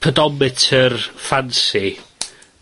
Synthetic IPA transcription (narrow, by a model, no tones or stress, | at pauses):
ədɔmɪtʰərfansi